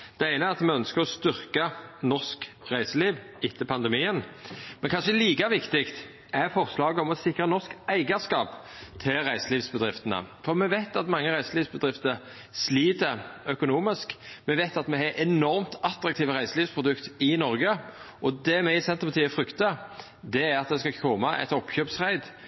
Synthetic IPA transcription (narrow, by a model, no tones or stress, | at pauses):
d̪̥ɛæɪnəæɾɑt̪mɛœnskəʁɔst̪ʏʁkɑnɔsk | ʁæɪsəliːʋ | ɪt̪ʰːəpʰɑnd̪əmiːənmɛnkʰɑnʃəliːkɑʋɪkt̪ɪkt̪ | ʔɛɾfɔʁslɑːɡəɔmɔsɪkʁənɔʁskæɪɡəskɑːp | t̪ʰɪʁæɪsəliːʋsbəd̪ʁɪft̪ənə̰fɔʁmɛʋæɪt̪ɑt̪mɑŋːəʁæɪsəliːʋsbəd̪ʁɪft̪əɾ | sliːt̪əœkʊnuːmɪskmɛʋæɪt̪ɑt̪mɛhɛʔɛnɔɾmt̪ʰɑt̪ɾɑk̚t̪ʰiːʋəʁæɪsəliːʋspʰʁʊd̪ʉkt̪ɪnɔɾɡəʔɔd̪ɛmɛɪsɛnt̪əpɑt̪iːəfɾʏkt̪ɑ | d̪ɛæɾɑt̪̚d̪ɛskɑkʰɔmɑʔɛ̰t̪ɔpːçøːpsʁæɪd̪